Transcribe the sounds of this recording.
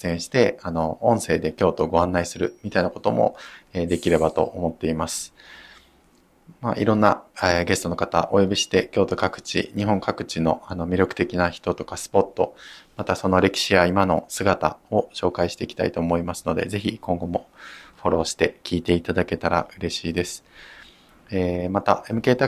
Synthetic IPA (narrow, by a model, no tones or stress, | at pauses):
ẽ̞ɰ̃ɕi̥t̪e̞ano̞õ̞ɰ̃se̞ːd̪e̞kʲo̞ːt̪oɡo̞ãnːaisɨɾɯ̟mʲit̪ainako̞̥t̪o̞mo̰eːd̪e̞kʲiɾe̞bat̪o̞̰ʔomo̞t̪ːe̞imasɨ̥ | maʔḭɾõ̞nːaɡe̞sɨ̥t̪o̞no̞kat̪a̰ʔojo̞bʲiɕi̥t̪e̞kʲo̞ːt̪o̞kakɯ̟̥t͡ɕḭɲ̟iɦõ̞ŋkakɯ̟̥t͡ɕino̞ano̞mʲiɾjo̞kɯ̟̥t̪e̞kʲinaçi̥t̪o̞t̪o̞kasɨ̥po̞t̪ːo̞̰mat̪aso̞no̞ɾe̞kʲi̥ɕiβaimano̞sɨɡat̪a̰o̞ɕo̞ːkaiɕi̥t̪e̞ikʲi̥t̪a̰it̪o̞ːmo̞imasɨ̥no̞d̪e̞̰ze̞çikõ̞ŋɡo̞mo̞ɸo̞ɾo̞ːɕi̥t̪e̞kʲiːt̪e̞it̪ad̪ake̞t̪aɾa̰ɯ̟ɾe̞ɕiːd̪e̞sɨ̥ | eːmat̪ae̞mɯ̟ke̞ːt̪a